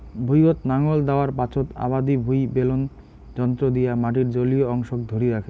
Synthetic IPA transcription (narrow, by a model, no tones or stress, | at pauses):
bʱujot̪naŋold̪aoaɾpat͡ɕʰot̪a̰bad̪ibʱujbelon | d͡ʑɔnt̪ɾod̪ijamaʈ̬iɾd͡ʑolioɔŋʃok̚d̪ʱoɾiɾakʰe